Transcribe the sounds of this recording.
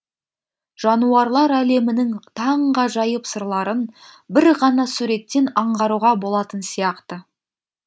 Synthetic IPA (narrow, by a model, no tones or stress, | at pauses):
ʒ̥ɑnuɑɾlˠɑɾæle̞mɪnɪŋt̪ʰɑɴʁɑʒɑjəpsəɾlˠɑɾənbɪɾʁɑnɑsuɾe̞t̪ːe̞nɑɴʁɑɾuʁɑbo̞lˠɑt̪ənsijɑqt̪ə